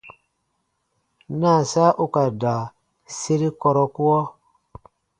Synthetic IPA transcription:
na˦˨sa˦ʔu˦ka˨da˨ | se˦ɾi˦kɔ˨ɾɔ˦ku˦ɔ˦

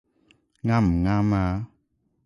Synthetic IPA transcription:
ŋa˦m̩˨ŋa˦ma˦

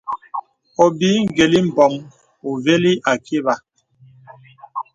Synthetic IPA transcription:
ɔ˨biː˨˦ŋ̩˦˨ɡe˨li˦m̩˨bɔ˨ŋ | o˨ve˦li˦ʔa˨ke˦βa˨

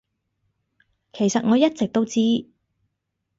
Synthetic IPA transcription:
kʰe˨˩jsɐ˨t̚ŋɔː˨˧jɐ˥t̚t͡sɪ˨k̚t̪o˥wt͡siː˥

